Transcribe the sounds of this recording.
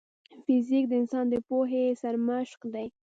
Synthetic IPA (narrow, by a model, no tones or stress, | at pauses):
fɪzik̚d̪əɪnsɑnd̪əpoɦesaɾmaʃqd̪aj